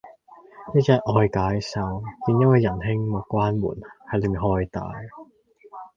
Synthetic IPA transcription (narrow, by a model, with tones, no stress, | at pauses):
niː˥t͡sɛː˧kʔɔː˧jkaː˨˥jsɐ˧wkiː˨˧njɐ˥n̚wɐ˨˧jːɐ˨˩nɦɪ˥ŋmɐ˨˩kʷaː˥nmṵː˨˩nhɐ˨jle˨˧mi˨ŋɦɔː˧˥jt̪a̰ː˨j